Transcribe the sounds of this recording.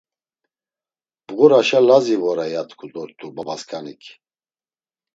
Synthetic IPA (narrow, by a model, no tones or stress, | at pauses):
b̥ɣuɾaʃalazivɔɾajat̪ʰʼkʰud̪ɔɾt̪ʰʼubabaskʰʼanikʰ